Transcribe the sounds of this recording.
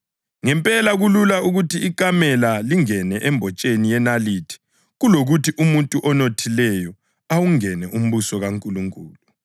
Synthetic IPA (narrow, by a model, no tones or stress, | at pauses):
ŋɛmpʼɛlaɣululauɣutiik̬ʼamɛlaliŋɛnɛʔɛmbʱɔt͡ʃʼenijɛnalitʰi̥ | ɣuloɣutʰiʔumuntʼuʔɔnotʰilɛjɔ | awuŋɛnɛʔum̩βusɔɣaŋkʼuluŋkʼuːlu